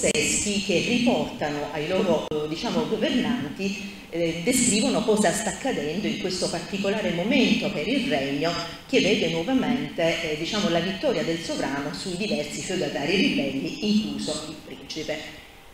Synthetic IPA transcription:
ɛsk̟ik̟erːipɔrt̪anoʔajlɔːɾod̪it͡ʃaːmoɡovernant̪i | d̪eskɾiːvonokɔːzast̪akːad̪ɛnd̪oiŋkwest̪opart̪ikolaːɾemoment̪opɛɾilrɛɲːo | k̟evɛːd̪enwɔvament̪ed̪it͡ʃaːmolavit̪ːɔːɾjad̪elsovɾaːnosujid̪ivɛrsifed̪at̪aːɾilibɛlːiiŋkluːzoilpɾint͡ʃipe

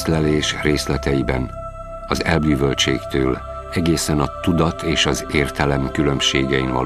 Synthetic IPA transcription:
lɛleːʃreːslɛt̪ɛjibɛ̰n | ɒzɛlbyːvølt͡ʃḛːkt̪øːl | ɛɡeːsɛnɒt̪ud̪ɒt̪ʰeːʃɒzeːrt̪ɛlɛmkylø̞mʃeːɡɛinvɒ̰l

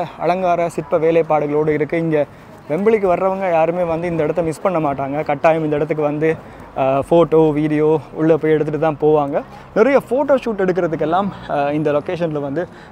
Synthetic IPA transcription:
ɐ̰ɭɐŋɡaːɾɐsɪʈpːɐʋeːlɐɪpːaːɽɯɣɐɭoːɽɯɪɾɯkːɯɪŋɡe | ʋɛmbɐɭɪkːɯʋɐɾɾɐʋɐŋɡɐjaːɾɯmeːʋɐnd̪ɯɪnd̪ɐɪɽɐt̪̬ːɐmɪspɐɳːɐmaːʈːaːŋɡɐkɐʈːaːjɯmɪnd̪ɪɽɐt̪ːɯkːɯʋɐnd̪ɯ | foːʈoːʋiːɽɪjoːʊɭːɐpoːjɛɽɯt̪ːɯʈːɯt̪ːãːpoːʋaːŋɡɐ | nɪɾɐjɐfoːʈoːʂuːʈːɛɽɯkːɪɾɐðɯkːɛlːaːmɪnd̪ɐlɔkeːʂɐnɪlʋɐnd̪ɯ

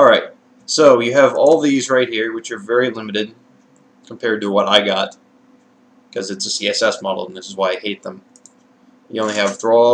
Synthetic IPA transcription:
ɔɹaɪt̚ | soʊjɨːvɔlˠðizɹaɪt̚hiɹwɨt͡ʃə˞vɛɹilɪ̃mɨɾɨd̚ | kʰm̩pʰɛɹd̚təwʌɾaɪɡɑt̚ | kʰʌzɨtsɨsiɛsɛsmɑɾl̩ˠən̩ðɪsəzwaɪaɪheɪt̪̚ðə̃m | jɨ̰õʊ̃nliɨvdɹɔ

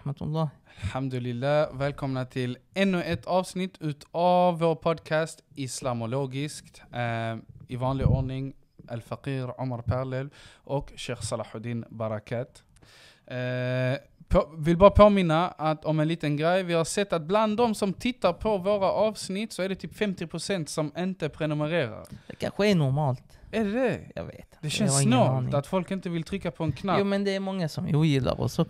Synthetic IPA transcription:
mat̪lːɑːælħamd̪ʉlɪlːæːvɛːlkʰɔmnat̪ʰɪlɛnːʉʔɛt̪ʰːɑːvsnɪt̪ʰːʉːt̪ʰɑvːoːɾpʰɔd̪kʰæːst̪ɪslɑmʊloːɡɪskt̪ | ɪvɑːnlɪɔɾnɪŋ | ʔæ̰lfaqiːɾʕʊmaɾpʰæɾlɛlʔɔkʃɛːxsɑlɑħʊd̪iːnbɑɾakʰɑːt̪ | pʰovɪlbɑːɾapʰoːmɪnːaat̪ɔmɛnliːt̪ənɡɾɛjvɪhaɾsɛt̪ːat̪̚bland̪ɔmsɔmt̪ʰɪt̪ːaɾpʰɔvoːɾaʔɑːvsnɪt̪ːsɔæɖɛt̪ʰyːpfɛmt̪ɪpʰɾʊsɛnt̪sɔmɪnt̪əpʰɾɛnʊməɾeːɾa̰ɾd̪̥ɛkʰa̰nɧəæɳʊɾmɑːlt̪æɖɛjɑ̰ːvḛːt̪d̪ɛʃɛnsnɑːt̪at̪fɔlkɪnt̪əvɪlt̪ʰɾʏkːapʰɔɛnkʰnauːmɛnd̪ɛːɾmɔŋːasɔmjujɪlːa̰ɾɔ̰sɔ

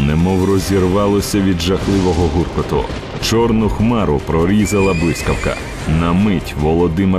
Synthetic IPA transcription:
nɛmɔwrɔzʲirʋɑlˠɔsʲɐʋʲid̪ʒɐxlˠɪʋɔɦɔɦurkɔt̪ɔ̰ | t͡ʃɔrnʊxmɑɾʊpɾɔɾʲizɐlˠɐblˠɪsʲkɐwkɐ̰ | nɐmɪtʲʋɔlˠɔd̪ɪme

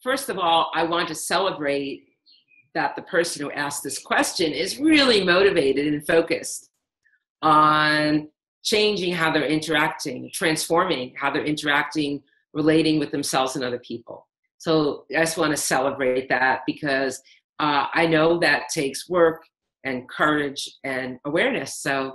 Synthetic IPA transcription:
fɜ˞stʌvɔlˠaɪwɑ̃ntɨsɛlˠəbɹeɪt̪̚ | ðɨt̪̚ðɨpʰɜ˞sɨ̃n̩huʔæsksðɪskʰw̥ɛst͡ʃɨ̃nɪzɹɪlˠimoʊɾɨveɪɾɨɾɨ̃nfoʊkɨst | n̩ | t͡ʃʰẽɪ̃nd͡ʒɪ̃ŋɦaʊðə˞ɪ̃ntə˞æk̚tɪ̃ŋtʰɹ̥æ̃nsfɔɹmɪ̃ŋhaʊðə˞ʔɪ̃ntə˞æk̚tɪ̃ŋ | ɹʔɨleɪɾɪ̃ŋwɨðɨ̃msɛlˠvz̥ɨ̃nʌðə˞pʰipl̩ˠ | soʊad͡ʒʌstwɑ̃ɾ̃ɨsɛlˠəbɹeɪɪt̪̚ðæt̚b̥ɨkʰʌz | ʔʌa̰ɪnoʊðɨtʰeɪkswɜ˞k | ʔɨ̃nkʰɜ˞ɪd͡ʒɨ̃nəwɛɹnɨsoʊ

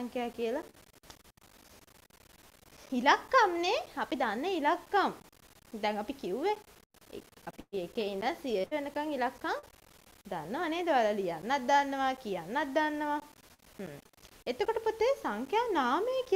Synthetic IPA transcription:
ŋkjaːkijəla | ilakːamneapid̪anːəilakːam | d̪ɛŋapikiuʋḛ | apiekeinəsiəəʋenəkaŋilakːam | d̪anːəʋaneːd̪əʋalalijanːat̪̚d̪anːəʋakijanːat̪̚d̪anːəʋa | et̪okoʈəpot̪ːesaŋkjaːnaːməjəki

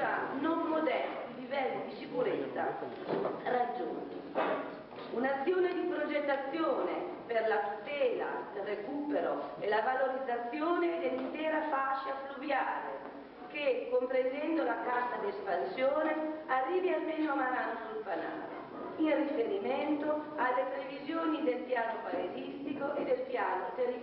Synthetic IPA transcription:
a̰nomːod̪ɛst̪ilivɛlːid̪isikuɾet̪sːa̰ | rad͡ʒːo̰nt̪ḭ | unat̪sːjoːned̪ipɾod͡ʒet̪ːat̪sːjoːne | perlat̪ut̪ɛːla̰d̪erekuːpeɾo̰elavaloɾid̪zːat̪sːjoːned̪elːint̪ɛːɾafaʃːafluvjaːlḛ | kekːompɾend̪ɛnd̪olakazad̪iespansjoːnearːiːvialseɲoamaɾaːnosulpana̰ːlḛ | inrifeɾiment̪oalːepɾevizjoːnid̪elpjaːnopaezist̪ikoʔed̪elpjaːnot̪eri

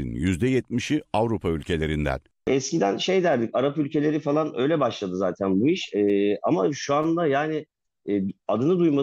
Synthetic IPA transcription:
ḭnjyzd̪ɛjɛt̪̚miʃiavɾupʰaylʲcʰe̞lʲe̞ɾind̪æ̰n | ɛscid̪ænʃe̞jd̪æɾd̪icaɾapylʲcʰe̞lʲe̞ɾifalˠanø̞jlʲɛbaʃlˠad̪ɯzaːt̪ʰænbuiʃɛːa̰maʃuand̪ajaːnɪː | ad̪ɯnɯd̪ujma

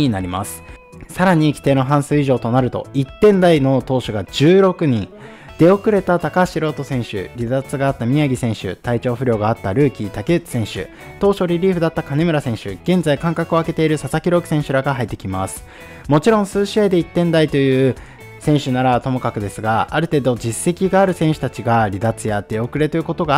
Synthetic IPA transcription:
inaɾʲima̰sɨ̥ | saɾaɲ̟ikʲi̥t̪e̞ːno̞ɦãɰ̃sɨːiʑo̞ːt̪o̞naɾɯ̟t̪o̞̰it̪ːẽ̞nd̪aino̞t̪o̞ːɕoɡad͡ʑɨːɾo̞kɯ̟ɲ̟ĩŋ | d̪̥e̞o̞kɯ̟ɾe̞t̪at̪akaɕiɾo̞ːt̪o̞sẽ̞ɰ̃ɕɨ̰ɾʲizat͡sɨɡaːt̪ːamʲiaɡʲisẽ̞ɰ̃ɕɨ̰t̪ait͡ɕo̞ːɸɯ̟ɾʲo̞ːɡaːt̪ːaɾɯ̟ːkʲit̪ake̥sẽ̞ɰ̃ɕɨ̰ | t̪o̞ːɕo̞ɾʲiɾʲiːɸɯ̟d̪at̪ːakane̞mɯ̟ɾasẽ̞ɰ̃ɕɨ̰ɡ̥ẽ̞nzaikãŋkakɯ̟o̞ake̞t̪e̞iɾɯ̟sasakʲiɾo̞ːki̟̥sẽ̞ɕɨɾaɡaɦait̪ːe̞̥kʲimasɨ̥ | mo̞t͡ɕiɾõ̞ɰ̃sɨːɕiad̪e̞it̪ːẽ̞nd̪ait̪o̞jɯ̟ː | sẽ̞ɰ̃ɕɨnaɾat̪o̞mo̞kakɯ̟d̪e̞sɨɡaːɾɯ̟t̪e̞ːd̪o̞d͡ʑisːe̞kʲiɡaːɾɯ̟sẽ̞ɰ̃ɕɨ̥t̪at͡ɕiɡaɾʲid̪at͡sɨjad̪̥e̞o̞kɯ̟ɾe̞t̪oɯ̟ko̞t̪o̞ɡa

